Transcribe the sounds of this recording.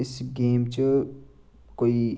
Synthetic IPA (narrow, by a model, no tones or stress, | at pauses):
ɪsɡeːmt͡ʃɨ | koi